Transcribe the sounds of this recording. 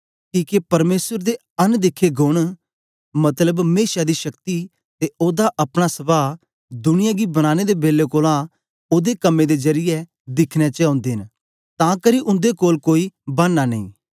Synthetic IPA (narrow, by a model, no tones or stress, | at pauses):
kiːkepəɾmeːsəɾd̪eː | ənd̪ɪkʰeɡʊɳ̃ | mət̪ləbmeːʃaːd̪iːʃəkt̪i | t̪eːoːd̪aːʔəpɽ̃aːsəbaː | d̪ʊnɪjãːɡiːbənaːned̪eːbeːleːkoːlãː | oːd̪eːkəmːẽːd̪eːzəɾɪjɛ | d̪ɪkʰnɛːt͡ʃɛãːnd̪eːɦn | t̪ãːkəɾiʔʊ̃nd̪eːkoːlkoːiːbənːaːnəḭ̃ː